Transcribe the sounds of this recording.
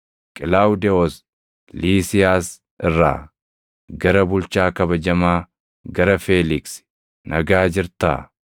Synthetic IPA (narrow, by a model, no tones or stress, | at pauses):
kʼɪlaːwd̪ɛɔs | liːsɪjaːs | ɪrːa̰ː | ɡɐɾɐbʊlt͡ʃaːkɐbɐd͡ʒɐmaː | ɡɐɾɐfeːlɪks | nɐɡaːd͡ʒɪɾt̪a̰ː